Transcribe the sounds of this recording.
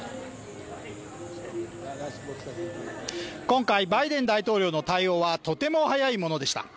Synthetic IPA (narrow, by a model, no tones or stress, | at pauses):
kõ̞ŋkaibaid̪ẽ̞nd̪ait̪o̞ːɾʲo̞ːno̞t̪aio̞ːβat̪o̞t̪e̞mo̞hajaimo̞no̞d̪e̞ɕi̥t̪a̰